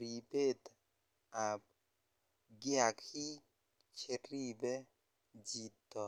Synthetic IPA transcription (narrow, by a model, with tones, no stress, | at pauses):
ɾi˨pe˦t | a˨p | ɡɪ˦a˨khi˦ | t͡ʃe˨ɾi˦bɛ˦ | d͡ʒi˨t̪ːɔ˨